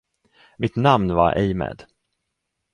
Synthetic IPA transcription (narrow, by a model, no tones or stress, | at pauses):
mɪt̪namnva̰ɾʔɛjmɛ̰ːd̪